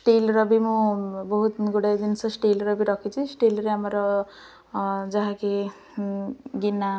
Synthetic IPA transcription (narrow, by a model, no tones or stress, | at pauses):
sʈelɾɔbimũbɔɦut̪ɡuɽajd̪insɔsʈelɾɔbiɾɔkʰit͡sʰisʈelɾeamɾɔ | d͡ʒaɦãke | ɡinːa